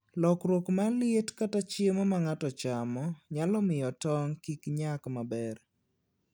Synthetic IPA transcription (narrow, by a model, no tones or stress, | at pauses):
lɔkɾwokmalɪetkatat͡ʃemɔmaŋatɔt͡ʃamɔɲalɔmɪjɔtɔŋkikɲakmabɛr